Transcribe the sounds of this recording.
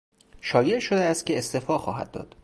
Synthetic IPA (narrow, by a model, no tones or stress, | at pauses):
ʃɒːje̞ʔʃo̞d̪eæst̪̚cʰʲe̞ːst̪efɒːxɒːɦæ̰d̪̚ːɒ̰ːd̪̥